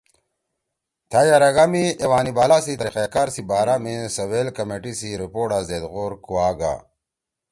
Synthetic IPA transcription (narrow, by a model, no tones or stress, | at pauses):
t̪ʰajaɾɐɡamiewaːnibaːlasit̪ɐɾiqekaːɾsibaːɾamesɐwelkɐmeːʈisiɾipoːɖazeːd̪ɣoːɾkuwaːɡa̰